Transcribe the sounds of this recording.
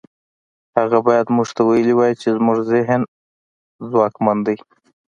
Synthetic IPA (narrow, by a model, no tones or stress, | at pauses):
haɣabɑjad̪muʐt̪awajəliwɑjit͡ʃezmuʐzɪɦn | zwɑkmand̪əj